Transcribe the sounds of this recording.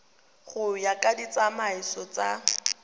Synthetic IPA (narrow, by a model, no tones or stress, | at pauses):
χʊjakʼadit͡samaɪsɔt͡sa